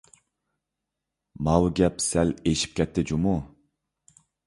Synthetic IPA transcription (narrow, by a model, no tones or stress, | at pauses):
mɑwɡʲɛpsɛleʃi̥p̚kʲʰɛt̪ʰːɪd͡ʒumu